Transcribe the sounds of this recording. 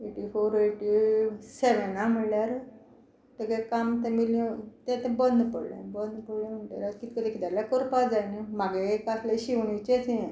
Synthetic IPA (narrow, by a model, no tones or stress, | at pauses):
eʈifoɾeʈiseʋənam̤əɽljaɾ | t̪ekekamt̪ɛ̃milɔ̃t̪ɛ̃t̪ɛ̃bənd̪pəɽlḛ̃bənd̪pəɽlẽm̤əɳʈḛɾat̪kit̪̚kəd̪ikid̪aɾlakəɾpad͡zajnemaɡekasleɕiʋɳit͡ɕet͡sẽ